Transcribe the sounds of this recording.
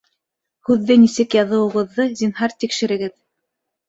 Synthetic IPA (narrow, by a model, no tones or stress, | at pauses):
hʉðːɘnisɘkjɑðɤ̆wɤ̆ʁɤ̆ðːɤzinɦɑɾt̪ikʃɘ̆ɾɘ̆ɡɘð